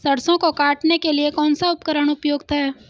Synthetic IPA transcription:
sɐɽsõkokaːʈnekeliekɔːnsaʊpkəɾəɽ̃ʊpjoːɡt̪ɦɛː

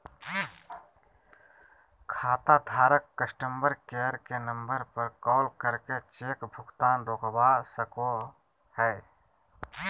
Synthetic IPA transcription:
kʰaːt̪ad̪ʱaːɾəkːəsʈəmbəɾkeːəɾkenə̃mbəɾpəɾkɔːlkəɾket͡ʃeːkbʱʊɡt̪aːnɾoːkbasəko | hɛː

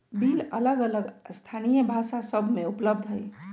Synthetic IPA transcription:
bilə̰ləɡələɡst̪ʰanijəbʱasasəbʱmeupləbd̪ʱɦəl

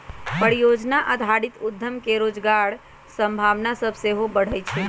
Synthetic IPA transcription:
pəɾijod͡ʒnaʔəd̪ʱaɽit̪ud̪ʱːəmkeɾod͡ʒɡaɽ | səmbʱaʋnasəbʱseɦobəɽ̤əjt͡ʃʰɛ

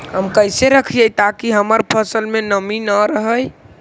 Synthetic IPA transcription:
ɦəmkəjseɾəkʰijəjt̪akiɦəməɾpʰəsəlmenəminəɾəɦəj

